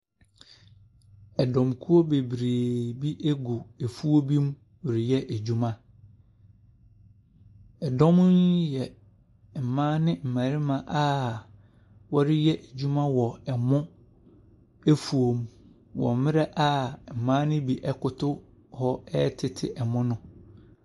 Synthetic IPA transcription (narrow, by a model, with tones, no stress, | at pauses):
ɛ˨dɔ̃˨mkʰu˦o˦be˨bɾeː˨bi˦ʔe˦ɡu˨e˨fu˦o˦bi˦m˦ | wɾɪ˨jɛ˦ʔæ˨d͡ʑu˦mã˦ | ɛ˨dɔ̃˦m˦n˦jɛ˨ | m̩˨mã˦nɪ̃˦m̩˨mãː˨ɾi˦mã˨ʔa˦ | wɔ˦ɾɪ˦jɛ˦ʔe˨d͡ʑᶣu˦mã˦wɔ˨ɛ˨mʊ̃˦ | e˦fu˨o˨m | wɔ̰˨mɪ̃˦ɾɛ˦ʔa˦˨m̩˨mãː˦nɪ̃˦bi˨ʔɛ˦kʊ˨tʰʊ˦ | hɔ˦ɛ˦tʰɪ˨tʰɪ̰˨ʔɛ˨mʊ̃˦nʊ̃˦